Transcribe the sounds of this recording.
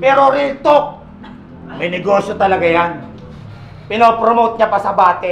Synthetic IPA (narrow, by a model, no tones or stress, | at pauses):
pɛːɾoɾiːt̪o | mɐjnɛɡoːsjot̪ɐlɐɡajan | pɪnoːpɾomowt̪̚ɲɐpɐsɐbaːt̪ɛ